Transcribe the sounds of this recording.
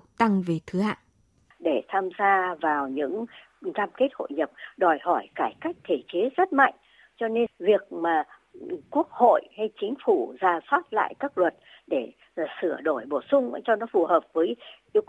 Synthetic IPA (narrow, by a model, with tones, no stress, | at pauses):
k̚t̪a˧ŋve˨˩t̪ʰɨ˨˦ha̰ː˧˨ʔ | ɗe˧˩t̪ʰaː˧mzaː˧vaː˨˩wɲɨ̰˧˥ŋ | kaː˧mke˦˥t̚ho̰˧˨jɲə˨˩p̚ɗɔ˨˩jhɔ˧˩jkaː˧˩jka˦˥jk̚t̪ʰe˧˩t͡ɕe˨˦zə˦˥t̚ma̰˧˨jŋ̟ | t͡ɕɔ˧ne˧vi˨˩ək̚maː˨˩ | ku˦˥ək̚ho̰˧˨jha˧jt͡ɕï˨˦ŋ̟fu˧˩zaː˨˩swaː˦˥p̚la̰ː˧˨jkaː˦˥k̚lwə˨˩t̚ | ɗe˧˩˨ | sɨ˧˩əɗo˧˩jɓo˧˩sʊ˧ŋ͡mʔa̰˧˦jt͡ɕɔ˧nɔ˨˦fu˨˩həː˨˩p̚vəː˨˦j | i˧